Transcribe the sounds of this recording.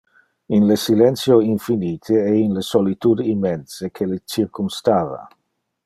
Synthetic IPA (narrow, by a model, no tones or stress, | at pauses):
inlesilɛnt̪sjoiɱfiniːt̪ʰeɛinlesolit̪ud̪imːɛnsekʰelet͡ʃirkumst̪aːva̰